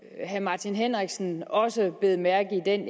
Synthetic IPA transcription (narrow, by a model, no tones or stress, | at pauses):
ɦæmɑ̈ːt͡sʰinɦenʁɛɡ̥sn̩ɒ̽səb̥le̝ːð̞̩ˠmæɐɡ̥̩ˠid̥en